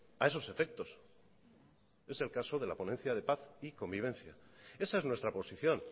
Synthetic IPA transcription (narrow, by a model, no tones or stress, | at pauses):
ae̞so̞se̞fe̞k̚t̪o̞s | e̞se̞lkaso̞ð̞e̞la̰po̞ne̞nθjað̞e̞paθiko̞mbiβ̞ẽ̞nθja̰e̞sae̞znwe̞st̪ɾapo̞siθjo̞n